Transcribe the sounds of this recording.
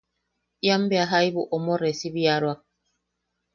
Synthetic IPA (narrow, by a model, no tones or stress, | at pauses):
jambeaɦajbuʔomoɾesiβiaɾwak̚